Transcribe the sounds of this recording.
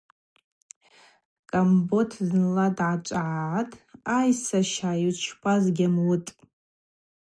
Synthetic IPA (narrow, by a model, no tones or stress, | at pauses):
kʼambotʰznladʕat͡ʃʷʼaʕaatʼajsaʃajiwt͡ʃʰpʰazɡʲamwʊtʼ